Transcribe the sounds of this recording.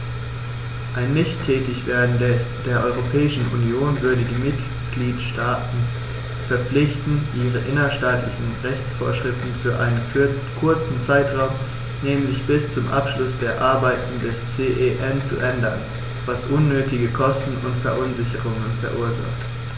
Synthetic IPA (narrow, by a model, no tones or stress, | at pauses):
ʔaɪnːɪçtʰːɛːtɪçv̥eːɐdn̩ | d̥eːɐʔɔʏʁopʰɛːɪʃn̩unjoːnvʏɐdədiːmɪt | ɡ̥liːtʃtaːtn̩ | fɛɐp͡flɪçtn̩ʔiːʁəʔɪnɐʃtaːtlɪçn̩ʁɛçt͡sfo̰ːɐʃʁ̥ɪftn̩fyːɐʔa̰ɪnən | kʰʊɐt͡sn̩t͡saɪtʁ̥aʊm | nɛːmlɪçb̥ɪst͡sʊmʔa̰pʃlʊsd̥eːɐʔaɐbaɪtn̩dɛst͡seːʔeʔɛnt͡sṵʔɛndɐn | v̥asʔʊnːøːtɪɡəkʰɔstn̩ʊntfɛɐʔʊnzɪçəʁʊŋənfɛɐʔuːɐza̰χt